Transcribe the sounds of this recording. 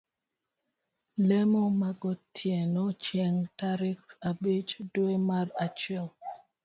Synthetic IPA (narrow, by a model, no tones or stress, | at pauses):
lɛmɔmaɡɔtʰjɛnɔt͡ʃɛŋtaɾɪkabet͡ʃdwemaɾat͡ʃɛl